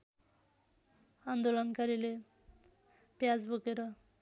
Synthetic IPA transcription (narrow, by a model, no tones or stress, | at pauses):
and̪olʌnkaɾile | pjad͡zbokeɾʌ